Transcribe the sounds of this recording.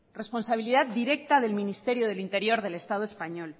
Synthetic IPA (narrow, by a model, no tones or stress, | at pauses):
re̞spo̞nsaβiliðat̪d̪iɾe̞k̚t̪aðe̞lmĩnist̪e̞ɾjoðe̞lint̪e̞ɾjo̞ɾðe̞le̞st̪aðoe̞spaɲol